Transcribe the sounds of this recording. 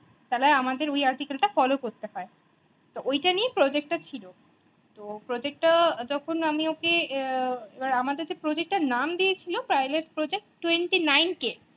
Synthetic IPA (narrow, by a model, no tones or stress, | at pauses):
t̪alaeamad̪eɾojaɾʈikalʈafɔlokoɾt̪eɦɔe | t̪oojʈaniepɾɔd͡ʑek̚ʈat͡ɕʰilo | t̪opɾɔd͡ʑek̚ʈʈad͡ʑɔkʰonamioke | ebaɾamad̪eɾd͡ʑepɾɔd͡ʑek̚ʈanamd̪iet͡ɕʰilopɾajleʈpɾod͡ʑek̚ʈʈːweɳʈinajnke